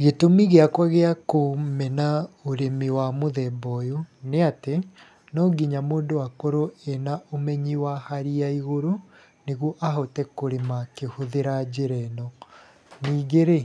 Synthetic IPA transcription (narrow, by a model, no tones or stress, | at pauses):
ɣetomiɣeakwaɣeakomɛnaoɾemiwamoðɛbɔjoneate | nɔɡiɲamoːndowakoɾoɛnaomɛɲiwahaɾiaiɣoɾo | neɣwɔʔaɦotɛkoɾemakehoðeɾad͡ʑeɾɛnɔ | niːɡeɾe